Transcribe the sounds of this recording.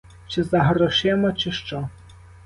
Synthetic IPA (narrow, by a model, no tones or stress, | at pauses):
t͡ʃɪzɐɦɾɔʃɛmɔt͡ʃɪʃt͡ʃɔ